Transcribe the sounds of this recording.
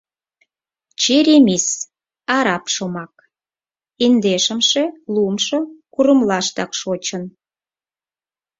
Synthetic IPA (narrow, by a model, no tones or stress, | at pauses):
t͡ɕeɾʲemis | ɑɾɑpʃomɑk̚ | ind̪eʃəmʃelumʃokuɾəmlɑʃt̪ɑkʃot͡ɕən